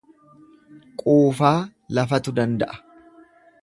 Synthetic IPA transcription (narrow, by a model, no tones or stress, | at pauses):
kʼuːfaːlɐfɐt̪ʊd̪ɐnd̪ɐʔɐ̥